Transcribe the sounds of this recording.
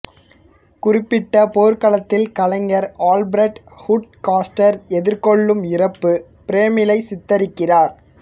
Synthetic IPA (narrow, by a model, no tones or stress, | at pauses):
kʊrɪpːɪʈːɐpoːɾkɐlɐt̪ːɪlkɐlɐŋɡɐɾaːlbɾɛʈ | hʊʈkaːsʈɐɾɛðɪɾkɔɭːɯmɪrɐpːɯ | pɪɾeːmɪlɐɪsɪt̪ːɐɾɪkːɪraːɾ